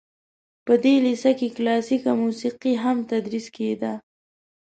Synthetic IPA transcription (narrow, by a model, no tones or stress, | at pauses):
pəd̪elisakeklɑsikamusiqiɦamt̪ad̪ɾisked̪a